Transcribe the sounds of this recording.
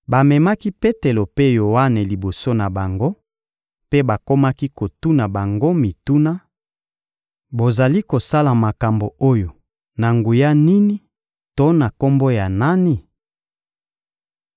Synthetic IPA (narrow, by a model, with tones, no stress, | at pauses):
ba˨mɛ˨ma˦ki˦pe˦te˨lo˨pe˦jo˨wa˦ne˨li˨bo˨so˦na˨ba˨ŋɡo˦ | pe˦ba˨ko˦ma˦ki˦ko˨tu˦na˨ba˨ŋɡo˦mi˨tu˦na˦ | bo˨za˨li˦ko˨sa˦la˨ma˨ka˨mbo˨o˦jo˨ | na˨ŋɡu˨ja˦ni˦ni˦ | to˦na˨ko˦mbo˦ja˨na˦ni˨